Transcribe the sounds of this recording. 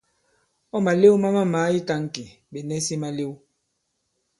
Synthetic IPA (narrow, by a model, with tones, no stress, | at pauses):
ɔ˦ma˨le˦wma˦ma˦maː˨˦i˦ta˦ŋ˨ki˨ | be˨nɛ˦si˦ma˦le˦w